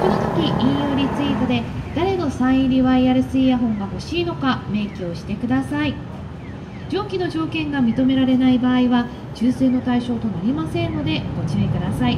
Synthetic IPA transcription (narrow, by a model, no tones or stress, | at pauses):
ko̞not̪o̞kʲiʔĩɰ̃jo̞ːɾʲit͡sɨit̪od̪e̞d̪̥aɾe̞no̞sãɰ̃ĩɾʲiβaiaɾɯ̟sɨijaɦõ̞ŋɡaho̞ɕiːno̞kame̞ːkʲoːɕi̥t̪e̞kɯ̟d̪asai | d͡ʑõ̞ːŋkʲino̞ʑo̞ːkẽ̞ŋɡamʲit̪o̞me̞ɾaɾe̞naibaːiβa | t͡ɕɨːseːnːo̞t̪aiɕo̞ːt̪o̞naɾʲimasẽ̞nːo̞d̪e̞ɡ̥o̞t͡ɕioikɯ̟d̪asai